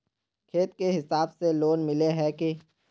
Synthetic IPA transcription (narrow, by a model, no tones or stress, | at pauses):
kʰeːt̪keɦɪsaːbseloːnmɪleɦɛke